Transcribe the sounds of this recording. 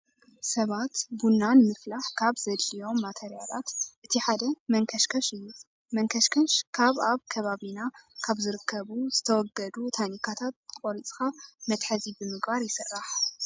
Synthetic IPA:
sɐβat̪bunːanɨmɨflaħkʰaβzɐd̪lijo̞mːat̪ʰeɾijala̰t̪ʔɨt̪ʰiħad̪ɐmɐŋkʰɐʃkʰɐʃɨjːu | mɐŋkʰɐʃkʰɐnʃkʰaβaβkʰɐβaβinakʰaβzɨɾɨkʰːɐβuzɨt̪ʰɐwɔɡːɐd̪ut̪ʰanikʰat̪ʰat̪̚kʼoɾit͡sʼxamɐt̪ħɐzibɨmɨɡbaɾjɪsɨrːaħ

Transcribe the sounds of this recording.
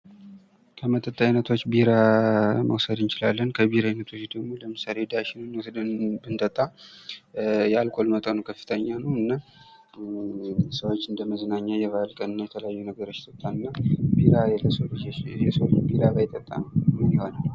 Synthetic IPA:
kʰəmət̪ʼət̪ʼːainət̪ʰwo̞t͡ʃːbiɾamə̰wsəd̪ɨnt͡ʃɪlalːənkʰəbiɾanət̪ʰo̞t͡ʃːd̪əɡmo̞ləmɨsale̞d̪aʃɪnɨnməwsəd̪ɨnbɨnt̪ʼət̪ʼːa | jɛalkʼo̞lmət̪ʼonəwkʰəfːɨ̥t̪ʰəɲːanəwɨnːa | səwot͡ʃːɨnd̪əməzənaɲːajɛβalkʼənɨnːajɛt̪ʰələjajːunəɡəɾot͡ʃːt̪ʼət̪ʼːanɨnːabiɾaɛləsəld͡ʒjɛsəwot͡ʃːbiɾaɡajɪt̪ʼːət̪ʼːanənɨmiho̞na

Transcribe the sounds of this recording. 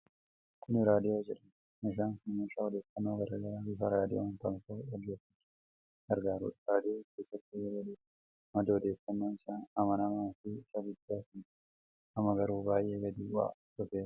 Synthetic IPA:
kʰʊnɪɾaːd̪ɪoːd͡ʒɪᶑɐn | ɪʃaːnkmiːʃaɔd̪e̞ːfɐnːoːɡɐɾɐɡɐlabɪfɐɾaːd̪ɪont̪ɐmkoːɔd͡ʒːɛt̪ːɪ | ɡɐɾɡaːɾṵːᶑɾaːd̪ɪokeːsːɐt̪ːɪwɐliː | mɐd̪ɐɔd̪eːfɐnːoːɪsaːnɐmɐnɐmaːfɪɪsɐɡʊd̪ːaːfɪn | ɐmɐɡɐɾuːbaːjʔe̞ːɡɐd̪iːwa̰ːt̪ʊfeːɾɐ̥

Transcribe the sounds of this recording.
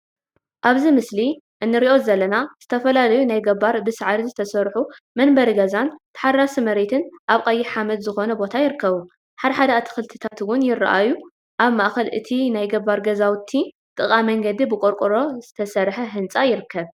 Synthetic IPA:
ʔaβzimɨsli | ʔɨnːɨɾiʔo̞zɐlːɐnaz̥ɨt̪ʰɐfɐlalɐjunajɡɐβaɾbɨsɨʕɾizɨt̪ʰɐsɐɾħu | mɐnbɐɾiɡɐzant̪ʰɐ̥ħarːasɨmɐɾet̪ʰɨnʔaβkʼɐjːiħamɐd̪zɨxo̞nɐbo̞t̪ʰajɪɾɨkʰːɐβu | ħad̪ɐħad̪ɐat̪ʰɨ̥xɨlt̪ʰɨ̥t̪ʰat̪wʊnjɪrːa̰ʔaju | ʔaβmaʔxɐlʔɨ̰t̪ʰinajɡɐβːaɾɡɐzawt̪ʰːi | t̪ʼɨkʼamɐŋɡɐd̪ibɨkʼoɾkʼɨɾo̞zɨt̪ʰɐsɐɾħɐɦɨnt͡sʼajɪɾɨkʰːɐβ

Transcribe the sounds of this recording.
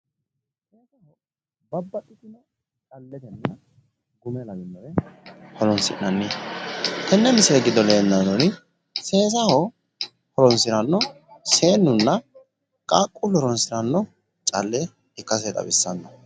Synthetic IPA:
seːsɐhɔ | bɐbːɐɗːɪt̪ɪnɐ | t͡ʃʼɐlːɛt̪ɛnːɐ | ɡʊmɛlɐɡɪnːɔɾɛhɔlɔnsɪ̰ʔɐnːɪ | t̪ɛnːɛmɪseɡɪd̪ɔleːnːɐːɔnɪ | se̞ːzɐhɔ | hɔɾɔnsɪɾɐnːɔ | se̞ːnːʊnːɐ | kʼaːkʼːʊlɔɾɔnsɪɾɐnːɔ | t͡ʃʼɐlːɛ | ɪkːɐs̬ɛt̪ʼɐ̰bɪsːɐnːɐ

